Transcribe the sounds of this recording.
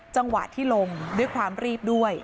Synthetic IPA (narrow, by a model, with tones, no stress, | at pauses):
t͡ɕa˧ŋwa̰˨˩t̪ʰːiː˥˩lo˧ŋdu˥˩əjkʰwaː˧mɾiː˥˩p̚du˥˩əj